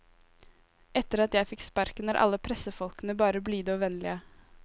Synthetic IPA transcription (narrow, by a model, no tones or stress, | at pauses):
ɛt̪əɾɑt̪jæɪfɪkspɑɾkənəɾʔɑ̰lːəpʰɾɛsəfɔlkənəbɑːɾəbliːd̪oːʋɛnlɪə